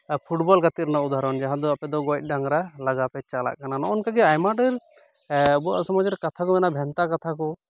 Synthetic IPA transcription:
pʰuʈbɔlkat̪iɾnaud̪ʱaɾɔnd͡ʒaɦãd̪ɔapɛd̪ɔɡɔjt̪̚ˀɖaŋɾalaɡapɛt͡ʃala̰ʔkananɔʔɔnkaɡɛajmaɖəɾ | bua̰ʔsɔmɔd͡ʒɾɛkat̪ʰakɔmɛnabʱɛnt̪akat̪ʰakɔ

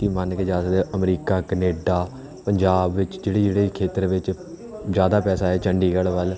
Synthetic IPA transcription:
iːmənked͡ʒaːsd̪eːʔəmɾiːkaːkəneːɖaː | pəɲd͡ʒaːbʋɪt͡ʃd͡ʒeːɽeːd͡ʒeːɽeːkʰeːt̪əɾʋɪt͡ʃ | d͡ʒjaːd̪aːpɛːsaːɦɛːt͡ʃəɳɖiːɡəɭʋəl

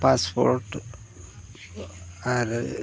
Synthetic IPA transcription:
paspoɾʈ | aɾ

